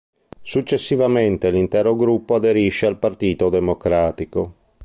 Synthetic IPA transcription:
sut͡ʃːesːivament̪elint̪ɛːɾoɡɾupːoad̪eɾiʃːealpart̪iːt̪od̪emokɾaːt̪iko

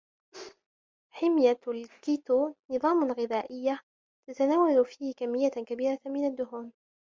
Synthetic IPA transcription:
ħɪmjalkiːt̪uːnɨðˤɑːmalɣɪðaːʔɪjːa | t̪at̪anaːwalfiːhkamːɪjːakabiːɾamɪnad̪ːʊɦuːn

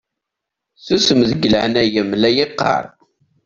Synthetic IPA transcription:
θusəmðəɡələʕnæjəmlæjɪqːɑ̰ɾˤ

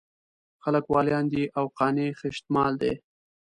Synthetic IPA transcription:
xaləkwɑljɑnd̪iʔawqɑnexɪʃt̪mɑld̪ḛ

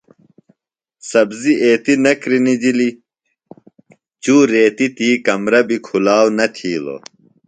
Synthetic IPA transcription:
sɐbziʔeːt̪inɐkɾinid͡ʑili | t͡ɕuːɾeːt̪it̪iːkɐmɾɐbikʰulaːwnɐt̪ʰiːlo̰ː

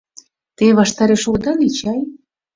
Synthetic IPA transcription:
t̪eβɑʃt̪ɑɾeʃokd̪ɑnit͡ɕɑj

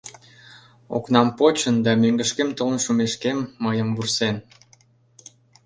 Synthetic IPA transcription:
o̰knɑmpot͡ɕənd̪ɑmøŋɡəʃkemt̪olnʃumeʃkemːəjəmbursen

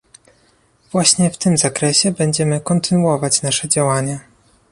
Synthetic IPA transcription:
v̥waɕɲɛft̪ɘmzakɾɛɕɛbɛɲd͡ʑɛmɘkɔnt̪ɘnuɔvat͡ɕnaʂɛd͡ʑawaɲa

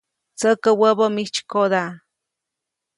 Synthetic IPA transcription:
t͡səkəwəbəmit͡ʃkod̪a

